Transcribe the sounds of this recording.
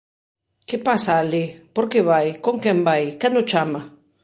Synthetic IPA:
kepasaːlipoɾkeβajkoŋkɛmbajkand̪ot͡ʃama

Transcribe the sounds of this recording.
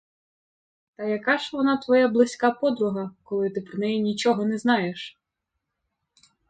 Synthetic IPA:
t̪ɐjɐkɑʒʋɔnɑt̪ʋɔjablˠɪsʲkɑpɔd̪ɾʊɦɐkɔlˠɪt̪ɪpɾɔnɛjinʲit͡ʃɔɦɔnɛznɑjeʃ

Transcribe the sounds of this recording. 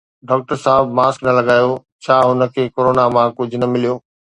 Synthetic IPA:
ɖɔːk̚ʈəɾsaːɪbmaːsknɐlɐɡaːjo | t͡ɕʰaːɦʊnə̆kʰekoɾoːnamãkʊd͡ʑʱʊnɐmɪlijoː

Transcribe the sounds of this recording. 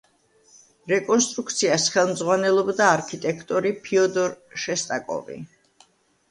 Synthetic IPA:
ɾɛkʼɔnst̪ʼɾuk̚ʰt̪sʰiasχɛlˠmd̪zʁwanɛlˠɔbd̪aːɾkʰit̪ʼɛkʰt̪ʼɔɾipʰiɔd̪ɔɾʃɛst̪ʼakʼɔ̰vḭ

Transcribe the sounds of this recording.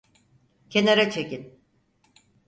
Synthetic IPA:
cʰe̞naɾat͡ʃʰe̞kin

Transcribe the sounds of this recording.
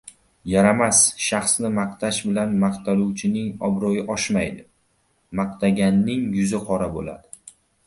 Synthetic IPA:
jaɾamasʃɑχsnɪmɑqt̪ʰaʃbɪlanmɑqt̪ʰaluwt͡ʃʰɪnɪŋɒbɾojɪʔɒʃmajd̪ɪ | mɑqt̪ʰaɡʲanːɪŋjʊzɪqʰɒɾabo̰la̰d̪ɪ

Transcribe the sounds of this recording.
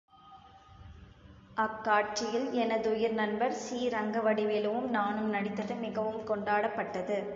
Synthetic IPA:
ʔɐkːaːʈ̚t͡ʃɪjɪlɛnɐðʊjɪɾnɐnbɐɾsiːɾɐŋɡɐʋɐɽɪʋɪlɐʋɯmnaːnɯmnɐɽɪt̪ːɐðɐɪmɪɣɐʋɯmkɔɳɖaːɽɐpːɐʈːɐðɯ

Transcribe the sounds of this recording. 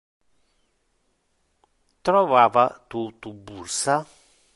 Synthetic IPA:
t̪ɾɔvaːvat̪ut̪ubːursa

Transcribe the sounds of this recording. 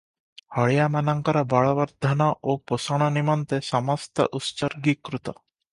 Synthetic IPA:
hɔɭjamanɔŋkɔɾɔbɔɭɔʋɔɾd̪ʱɔnɔʔoposɔɽ̃ɔnimɔnt̪esɔmɔst̪ɔ̰ʔust͡ʃɔɾɡikɾut̪ɔ

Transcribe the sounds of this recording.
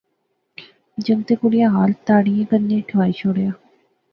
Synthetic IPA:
d͡ʑəŋt̪ekuɽijaɦalt̪aɽijẽkənːeʈʰajɕoɽeja

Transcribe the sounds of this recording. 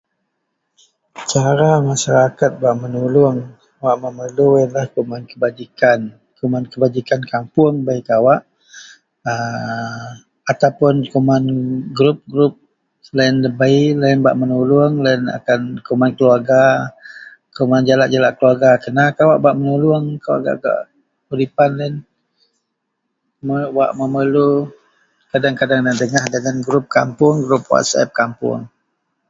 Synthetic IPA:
t͡ʃaɾamaʃaɾakat̪̚baʔmənulʊŋ | waʔməməluinlahkumankəbad͡ʒikan | kumankəbad͡ʒikankampʊŋbaikawaʔ | ə | at̪awpʊnkomanɡɾup̚ɡɾup̚ | landəbailanba̰ʔmənulʊŋlaina̰kankumankəluarɡa | komand͡ʒalaʔd͡ʒalaʔkəluaɡakənakawaʔbaʔmənulʊəŋkawa̰ɡa̰ʔɡa̰ʔ | uɾipanlan | məwa̰ʔməməlu | kadaŋkadaŋdəŋdəŋahdəŋanɡɾup̚kampʊŋɡɾup̚wa̰t̪sɛ̰p̚kampʊ̰ŋ

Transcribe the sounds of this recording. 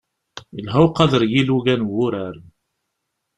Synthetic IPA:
əlɦæwqɑðəɾjiluɡænwʊɾæɾ

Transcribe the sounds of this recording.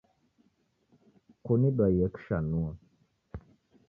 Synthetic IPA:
kuniɗajekʃanua

